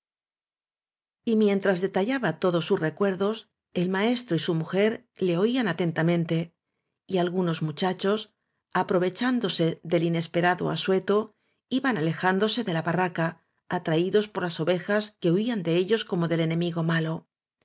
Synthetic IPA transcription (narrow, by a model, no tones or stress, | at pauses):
imje̞nt̪ɾazðe̞t̪aʎaβat̪o̞ðo̞sːusre̞kwe̞ɾðo̞s | e̞lmae̞st̪ɾoisumuxe̞ɾle̞o̞ianat̪e̞nt̪amẽ̞nt̪e̞ | ialɣuno̞zmut͡ʃat͡ʃo̞s | apɾo̞β̞e̞t͡ʃand̪o̞se̞ðe̞line̞spe̞ɾaðo̰a̰swe̞t̪o̞ | iβanale̞xand̪o̞se̞ðe̞laβarakaː | t̪ɾaiðo̞spo̞ɾlaso̞βe̞xaske̞oiand̪e̞e̞ʎo̞sko̞mo̞ðe̞le̞nẽ̞miɣo̞malo